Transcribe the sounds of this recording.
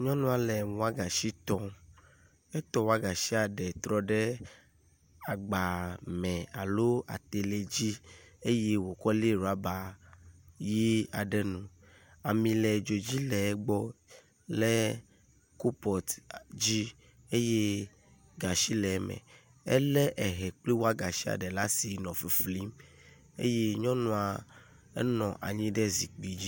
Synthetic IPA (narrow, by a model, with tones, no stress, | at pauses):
ɲɔ̃˦nũ˦a˨lɛ˨u˨˦a˦ɡa˨ʃi˦t̪ɔ̃˦ | ɛ˦t̪ɔ̃˦wa˦ɡa˨ʃi˦a˨ɖɛ˨t̪ɾɔ˦ɖɛ˦ | a˨ɡ͡ba˨mɛ̃˨a̰˨lo˦a̰˨t̪e˨le˨d͡ʒi˦e˦je˦wo˨kɔ˦le˦˨ɾa˨˦ba˨ | ji˦a˨ɖɛ˨nũ˨ | a˨mĩ˨lɛ˨d͡ʒo˨d͡ʒi˦lɛ˨˦ɡ͡bɔ˦ | lɛ˦ | ku˦pɔ˨t̪d͡ʑi˦ | e˦je˦ | ɡa˨ʃi˦lɛ˨˦mɛ̰̃˨ | ɛ̰˦lɛ˦ʔɛ˨ɦɛ˨k͡ple˦wo˦a˦ɡa˨ʃi˦a̰˨ɖɛ˨la˦si˨nɔ̃˨fi˨fli˦m | ḛ˦je˦ɲɔ̃˦nũ˦a˨ | ɛ̰˦nɔ̃˨ʔa̰˨ɲĩ˦ɖɛ˦zi˨k͡pi˨d͡ʑi˦